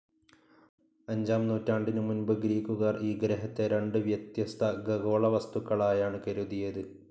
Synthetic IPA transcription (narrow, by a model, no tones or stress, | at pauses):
ɐɲd͡ʑaːmnuːtʲːaːɳɖinɨmunbɨɡɾiːkːuɣaːriːɡɾeɦɐt̪ːe̞ɾe̞ɳɖɨʋjɐt̪jɐst̪ʰɐɡɐɣoːɭɐʋɐst̪ukːɐɭaːjaːɳɨkɐɾuðijɐðɨ